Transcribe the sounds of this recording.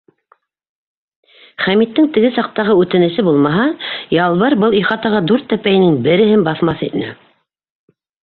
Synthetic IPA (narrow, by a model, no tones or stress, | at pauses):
χæmit̪ːɘŋt̪ɘ̆ɡɘsɑq̚t̪ɑʁɤʉt̪ɘ̆nɘ̆ʃɘbulˠmɑɦɑjɑlˠβɑɾbɤlˠiχɑt̪ɑʁɑd̪ʉɾt̪ːæpæjnɘŋbɘ̆ɾɘ̆ɦɘnbɑθmɑθḭt̪nɘ̰